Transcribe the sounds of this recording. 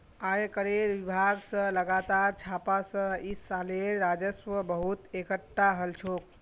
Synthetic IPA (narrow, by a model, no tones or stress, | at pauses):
ajkəɾeɾʋibʱaɡsə̃ləɡat̪aɾt͡ʃʰapasə̃isaleɾːad͡ʒəsʋəbəɦut̪ekəʈːaɦəlt͡ʃʰok̚